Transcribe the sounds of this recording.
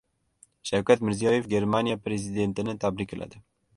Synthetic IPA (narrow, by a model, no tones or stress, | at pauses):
ʃawkʲæt̪mɪɾzijɑːjefɡʲeɾmɑnijɑpɾezid̪ent̪ɪnɪt̪ʰabɾikʲːɨlʔa̰d̪ɪ